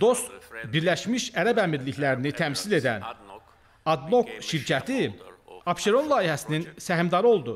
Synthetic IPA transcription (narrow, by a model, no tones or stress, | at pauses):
d̪o̞st̪biɾlæʃmiʃæɾæbæmiɾliçlæɾinit̪ʰæmsile̞d̪æ̰n | ɑd̪no̞kʃiɾcʰæt̪ʰiɑpʃe̞ɾo̞nlˠɑːihæsininsæɦimd̪ɑɾɯo̞lˠd̪u